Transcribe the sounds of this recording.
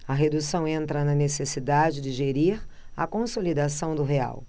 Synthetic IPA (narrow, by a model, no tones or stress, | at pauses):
ɐɦed̪usɐ̃w̃ẽnt̪ɾɐnɐnesesid̪ad͡ʒɪd͡ʒɪʒeɾiɾ | ɐ̰kõsolid̪asɐ̃w̃d̪ʊɦea̰w